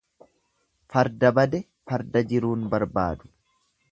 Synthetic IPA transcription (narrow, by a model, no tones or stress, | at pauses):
fɐɾd̪ɐbɐd̪ɛ | fɐɾd̪ɐd͡ʒɪɾuːnbɐɾba̰ːd̪ʊ̥